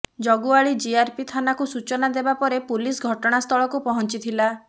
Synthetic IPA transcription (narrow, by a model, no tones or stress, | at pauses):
d͡ʒɔɡuaɭid͡ʒiaɾpit̪ʰanakusut͡ʃɔnad̪ebapɔɾepulisɡʱɔʈɔɽ̃ast̪ʰɔɭɔkupɔɦɔnt͡ʃit̪ʰila